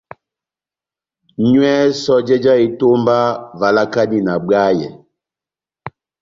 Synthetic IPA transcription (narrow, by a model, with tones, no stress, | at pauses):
ɲwɛ˦sɔ˦d͡ʒɛ˦d͡ʒa˦i˨to˦mba˦va˨la˦ka˦ni˦na˨ɡ͡ba˦jɛ˨